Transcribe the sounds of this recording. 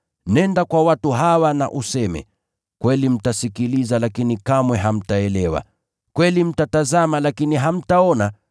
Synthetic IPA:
nɛndakwawatuɦawana̰ʔusɛmɛ̰ | kwɛlim̩tasikilizalakinikamwɛɦam̩taɛlɛwa̰ | kwɛlim̩tatazamalakiniɦam̩taɔna

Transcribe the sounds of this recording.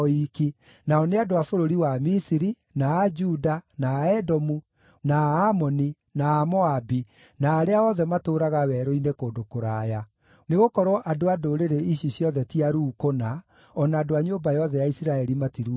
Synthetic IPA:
iki | naɔneadoafoɾoɾiwamisiɾi | naːd͡ʒudanaːɛdɔmu | naːmɔni | naːmɔabi | naːɾeaɔðɛmatoːɾaɣawɛɾɔinekoːdokoɾaːja | neɣokɔɾwɔʔadoadoɾeɾeiɕisjɔðɛtiaɾuːkona | ɔnaːdoaɲombajɔðɛjaisiɾaɛɾimatiɾu

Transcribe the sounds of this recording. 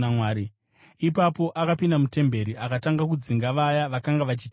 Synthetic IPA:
amwaːɾi | ipapo̞ʔakapindamute̞mbe̞ɾiʔakataŋɡakud͡ziŋɡaʋajaʋakaŋɡaʋat͡ʃit

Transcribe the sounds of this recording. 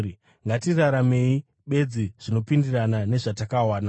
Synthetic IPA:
i | ŋɡatiraɾame̞i | ɓe̞d͡ziʐ̥ino̞pindiranane̞ʐatakawaːna

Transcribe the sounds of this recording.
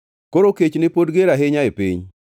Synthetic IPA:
koɾoket͡ʃnɪpodɡeɾaɦɪɲaepḭɲ

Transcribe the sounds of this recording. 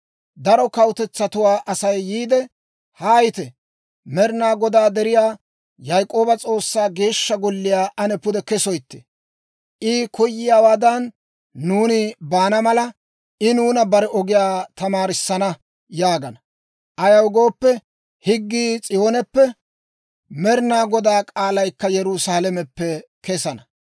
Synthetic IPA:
d̪ɐɾɔkɐwt̪ɛt͡sːɐt̪ʊwaːʔɐsɐjːiːd̪ɛ | haːjɪt̪ɛ | mɛɾnaːɡɔd̪aːd̪ɛɾɪjaː | jɐjkʼo̞ːbɐt͡sʼo̞ːsːaːɡe̞ːʃːɐɡɔlːɪjaːʔɐnɛpʊd̪ɛkɛsɔjt̪ːɛ̥ | ʔɪkʰɔjːɪjaːwaːd̪ɐnː | uːnɪbaːnɐmɐlɐ | ʔɪnuːnɐbɐɾɛɔɡɪjaːt̪ɐmaːɾɪsːɐnɐ | jaːɡɐnɐ | ʔɐjɐwɡo̞ːpːɛ | hɪɡːiːt͡sʼɪjo̞ːnɛpːɛ | mɛɾnaːɡɔd̪aːkʼaːlɐjkːɐjɛɾʊsaːlɛmɛpːɛ | kɛsɐnɐ

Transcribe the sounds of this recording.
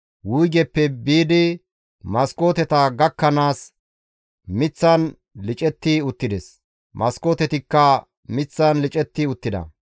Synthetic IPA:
wʊjɡɛpːɛbiːd̪ɪ | mɐskʼo̞ːt̪ɛt̪ɐɡɐkːɐnaːs | mɪt͡sːɐn | lɪt͡ʃʼɛt̪ːɪʊt̪ːɪd̪ɛs | mɐskoːt̪ɛt̪ɪkːɐ | mɪt͡sːɐnlɪt͡ʃʼɛt̪ːɪʊt̪ːɪd̪ɐ̰

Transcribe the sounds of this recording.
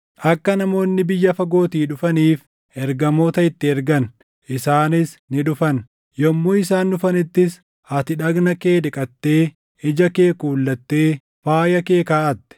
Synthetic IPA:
ʔɐkːɐnɐmo̞ːnːɪbɪjːɐfɐɡo̞ːt̪iːᶑʊfɐniːf | ʔɛɾɡɐmo̞ːt̪ɐɪt̪ːɪɛɾɡɐn | ʔɪsaːnɪsnɪᶑʊfɐn | jɔmːuːɪsaːndʊfɐnɪt̪ːɪs | hɐt̪ɪᶑɐɡnɐke̞ːdɪkʼɐt̪ːe̞ː | ɪd͡ʒɐke̞ːkuːlːɐt̪ːe̞ː | faːjɐke̞ːkaːʔɐt̪ːɪ̥

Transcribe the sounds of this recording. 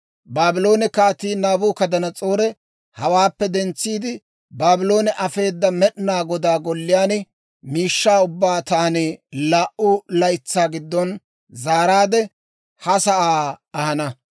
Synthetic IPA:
baːbɪlo̞ːnɛkaːt̪iːnaːbuːkɐd̪ɐnɐt͡sʼo̞ːɾɛ | hɐwaːpːɛd̪ɛnt͡sːiːd̪ɪ | baːbɪlo̞ːnɛʔɐfe̞ːd̪ːɐmɛɗnaːɡɔd̪aːɡɔlːɪjaːnɪ | miːʃːaːʊbːaːt̪aːnɪlaːʔʊlɐjt͡sːaːɡɪd̪ːɔn | zaːɾaːd̪ɛ | hɐsɐʔaːɐhɐnɐ

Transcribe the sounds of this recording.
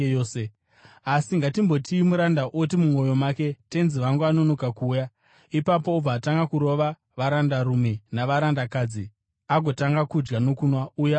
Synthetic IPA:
oːse | asiŋɡatimbo̞tʰiimuɾandaʔot̬imumo̞jo̞make̞te̞nziʋaŋɡuano̞no̞kakuːja | ipapo̞ub͡vaːtaŋɡakuɾo̞ʋa | ʋaɾandarumenaʋaɾandakad͡zi | aɡʱo̞taŋɡakud͡ʒɡano̞kunwauja

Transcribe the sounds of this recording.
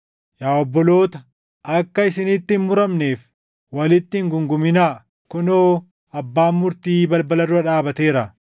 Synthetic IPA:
jaːɔbːɔlo̞ːt̪ɐ | ʔɐkːɐɪsɪnɪt̪ːɪnmʊɾɐmne̞ːf | wɐlɪt̪ːɪŋɡʊŋɡʊmɪnaː | kʊnoː | ɐbːaːmːʊɾt̪iːbɐlbɐlɐdʊɐᶑaːbɐt̪e̞ːɾɐ

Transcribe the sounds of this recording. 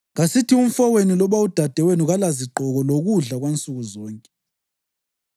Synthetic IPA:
ɣasitʰium̩fɔwenilɔβaud̥ʱad̥ʱɛwenuɣalaziǃɔɣɔloɣuɮaɣwent͡sʼuɣuzɔːŋkʼɛ

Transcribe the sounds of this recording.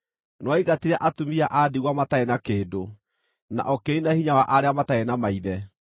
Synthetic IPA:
nwaiɣatiɾɛʔatumiaʔadiɣwamataɛnakeːdo | na̰ʔɔkeinahiɲawaʔaɾeamataɛnamaiðɛ

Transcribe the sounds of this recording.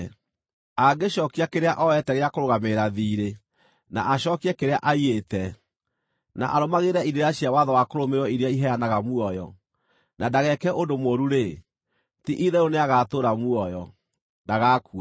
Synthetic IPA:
aɡeɕɔkiakeɾeaʔɔɛtɛɣeakoɾoɣameɾaðiːɾe | na̰ʔaɕɔkiɛkeɾeaʔaietɛ | na̰ʔaɾomaɣeɾɛiɾeɾaɕiawaðɔwakoɾomeɾwɔiɾjaiɦɛanaɣamuɔjɔ̰ | nadaɣɛkɛʔondomoːɾuɾe | tiʔiðɛoneaɣatoɾamuɔjɔ | daɣakua

